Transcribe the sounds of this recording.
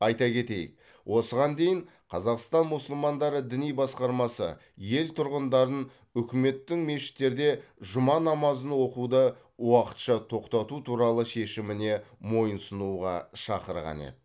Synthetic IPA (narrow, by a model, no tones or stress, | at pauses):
ɑjt̪ɑkʲe̞t̪e̞̰j | wʔo̞səʁɑnd̪e̞jɪɴ | qʰɑzɑqst̪ɑnmʊsəlˠmɑnd̪ɑɾəd̪ɪnijbɑsqɑɾmɑsə̰ | je̞lt̪ʰʊɾʁənd̪ɑɾən | ʏkʲɪme̞t̪ːɪŋme̞ʃɪ̥t̪ːe̞ɾd̪e̞ʒʊmɑnɑmɑzənwo̞qud̪ə | wɑqə̥t̪ʃɑt̪ʰo̞qt̪ɑt̪ut̪ʰuɾɑlˠəʃe̞ʃɪmɪne̞mo̞jənsənuʁɑ̰ʃɑ̰qəɾʁɑ̰nḛd̪ɪ